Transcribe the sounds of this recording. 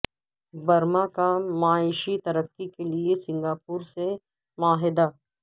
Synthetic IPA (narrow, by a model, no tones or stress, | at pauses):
bɐɾmakamaːɪʃit̪ɐɾəkːikeliesɪ̃ŋɡaːpuːɾse | maːɦɪd̪aː